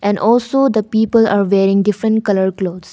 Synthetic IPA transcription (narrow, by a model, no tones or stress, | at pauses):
ʔɛ̃nɖɔːlsoːd̪əpiːpəla̰ːɾʋeːɾɪ̃ŋɖɪfɾə̃ɳʈkɐləɾkloːds